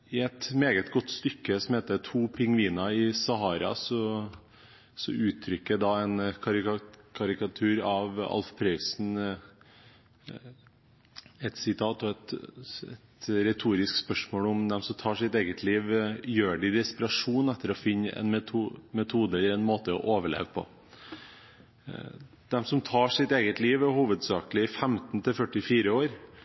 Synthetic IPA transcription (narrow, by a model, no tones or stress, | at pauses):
ɪɛt̪meːɡət̪ɡɔt̪ːst̪ʏkːəsɔmheːt̪ət̪ʰuːpʰɪŋʋiːnɑɪsɑɦɑːɾɑ̰sɔ | sɔ̰ʉːt̪ʰːɾʏkːəd̪ɑɛnkʰɑɾkʰɑɾɪkɑt̪ʰʉːɾɑʋɑ̰lfpʰɾœʏsn̩ | ɛt̪sɪt̪ʰɑːt̪ɔɛt̪ɛ̰t̪ɾɛt̪ʰuːɾɪskspœʂmoːlʊmd̪ɛmsɔmt̪ʰɑːʂɪt̪eːɡət̪ʰliːʋjøːɖɪd̪ɛspɪɾɑʂuːnæt̪ːəɾɔfɪnːɛ̰nmɛt̪ʰumɛt̪ʰuːd̪əɛlːəɾɛnmoːt̪əɔ̰ʔoːʋəɭḛːʋpʰɔ̰ | d̪̥ɛmsɔmt̪ʰɑːʂɪt̪eːɡət̪liːʋhuːʋəd̪sɑːkəlɪɪfɛmt̪nt̪ʰɪlfœʈːɪfiːɾəoːɾ